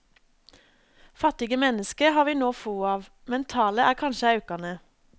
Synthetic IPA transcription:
fɑt̪ɪɡəmɛnəskəhɑːʋiːnoːfuːɑːʋ | mɛnt̪ʰɑːləʔæːkʰɑnʃəɑʉkɑnə

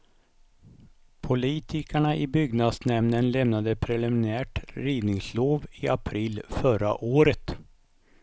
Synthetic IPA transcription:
pʰʊliːt̪ʰɪkəɳaʔɪbʏɡnad̪snɛmnənlɛmnad̪əpʰɾɛlɪmɪnæːʈɾiːd̪nɪŋsloːvɪa̰pʰɾiːlfœɾa̰ʔoːɾət̪

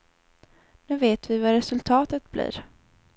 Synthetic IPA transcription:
nʉ̟ːveːt̪vɪvaɾɛsɵlt̪ʰɑːt̪ət̪̚blḭːɾ

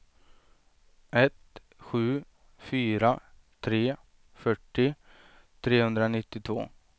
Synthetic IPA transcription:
ɛt̪ | ɧʉ̟ː | fyːɾa | t̪ʰɾeː | fœʈːɪ | t̪ʰɾeːhɵnd̪ɾanɪt̪ːɪt̪ʰvo̰ː

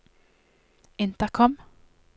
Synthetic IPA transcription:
ɪnt̪əkʰɔm

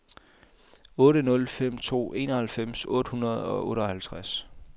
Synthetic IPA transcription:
ɔ̽ːɾənɔ̽lfem̰t͡sʰo̝̰ːe̝̰ːnɒhælfem̰sɔ̽ːd̥əhunɐð̞̩ˠɒ̽ʔɔ̽ːɾɒhælt͡sʰʁas

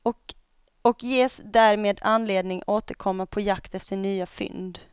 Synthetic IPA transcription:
ɔk | ɔkjeːsd̪æɾmeːd̪anleːd̪nɪŋoːt̪əɾkʰɔmːapʰɔjakt̪ɛft̪əɳyːafʏ̰nd̪

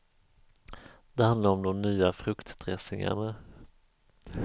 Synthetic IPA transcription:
d̪ɛhand̪laɾɔmd̪ɔmnyːafɾɵkt̪d̪ɾɛsɪ̰ŋa̰ɳa

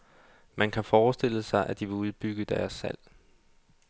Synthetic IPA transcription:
mænkʰæfɒːsd̥e̝l̰əsɑ̈ɪʔæd̥iʋe̝uðˠb̥yɡ̥əd̥æɐsːæl̰

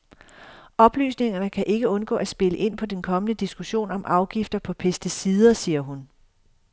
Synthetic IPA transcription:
ɒ̽b̥ly̰ːsne̝ŋɐnəkʰæʔe̝ɡ̥əɔ̽nɡ̥ɔ̰̽ːʔæsb̥e̝ləʔe̝n̰pʰɒ̽d̥enkʰɒ̽mənəd̥isɡ̥uɕo̝̰ːnɒ̽mʔɑ̈ʊɡ̥ifd̥ɐpʰɒ̽pʰesd̥isiðˠɐsiːɐɦun

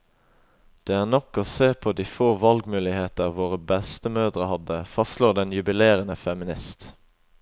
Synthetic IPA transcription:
d̪̥eːæːʁnɔkoːseːpʰoːd̪iːfoːʋɑlɡmʉːlɪheːt̪əʁʋoːʁəbɛst̪əmœːd̪ʁəhɑd̪əfɑstluːd̪ɛnjʉbɪleːʁənəfɛmɪnɪst̪

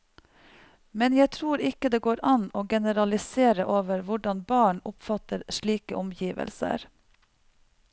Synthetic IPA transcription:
mɛnjæɪt̪ʰɾuːɾɪkəd̪eːɡoːɾʔɑnoːɡɛnəɾɑlɪseːɾəʔoːʋəɾʋʊɖɑnbɑːɳʊpfɑt̪əɾʃɭiːkəʔɔmjiːʋə̰lsə̰ɾ

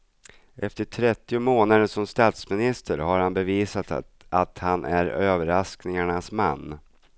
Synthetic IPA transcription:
ʔɛft̪əʈʰɾɛt̪ːɪʊmoːnad̪əsɔmst̪ɑːt̪smɪnɪst̪ʰəɾhaɾhanbɛviːsat̪ | at̪hanʔæɾøːvəɾasknɪŋaɳasma̰nː

